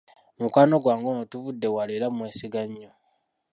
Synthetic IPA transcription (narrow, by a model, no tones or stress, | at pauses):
mukwaːno̞ɡwaːŋɡonotuvudːe̞waleɾamwe̞ːsiɡaɲːo